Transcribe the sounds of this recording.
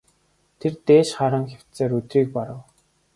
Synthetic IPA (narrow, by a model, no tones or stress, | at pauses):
t̪ʰert̪eːʃχaɾə̆ŋxʲaw̥tt͡seːɾɵt̪riːk̚pɔɾə̆w